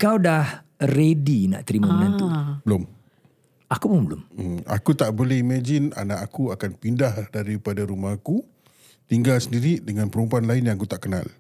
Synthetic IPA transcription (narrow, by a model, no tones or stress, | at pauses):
kawdah | redina̰ʔt̪əɾimə̃ənant̪ubəlʊm | akubʊŋbəlʊ̰ma̰kut̪aʔbolɛhimad͡ʒina̰naʔakuakanpindahdaɾipadaɾumahku | t̪iŋɡalsəndiɾidəŋãnpəɾumpuanlainjaŋkut̪aʔkəna̰l